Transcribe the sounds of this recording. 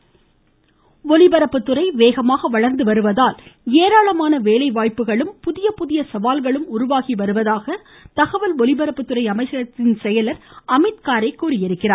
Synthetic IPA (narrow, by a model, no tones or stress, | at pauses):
ʋɔlɪbɐɾɐpːɯt̪ːɯrɐɪʋeːɣɐmaːɣɐʋɐɭɐɾnd̪ɯʋɐɾɯʋɐðaːleːɾaːɭɐmaːnɐʋeːlɐɪʋaːjpɯɣɐɭɯmpʊðɪjɐpʊðɪjɐsɐʋaːlɣɐɭɯmʊɾʊʋaːɣiʋɐɾɯʋɐðaːɣɐ | t̪ɐɣɐʋɐlɔlɪbɐɾɐpːɯt̪ːɯrɐɪɐmɐɪt͡ʃːɐɾɐt̪ːɪnsɛjɐlɐɾɐmɪt̪kaːɾɐɪkːuːɾɪjɪɾɯkːɪraː